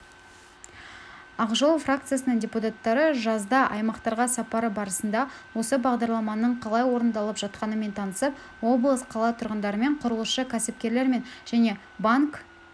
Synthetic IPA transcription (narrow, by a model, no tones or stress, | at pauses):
ɑqʒolˠfrakt̪sɨjasənəɴdʲe̞put̪at̪ːɑɾəʒɑzd̪ɑʔɑjmɑqt̪ɑɾʁɑsɑpɑɾəbɑɾəsənd̪ɑwo̞səbɑʁd̪ɑɾlˠɑmɑnəɴqʰɑlˠɑjwo̞ɾənd̪ɑlˠəpʒ̥ɑt̪̚qɑnəme̞nt̪ʰɑnəsəp̚ | wo̞blˠəsqʰɑlˠɑt̪ʰʊɾʁənd̪ɑɾəme̞ɴqʰʊɾəlˠəʃəkʲʰæsɪpkʲe̞ɾle̞ɾme̞nʒ̥æne̞ | baŋk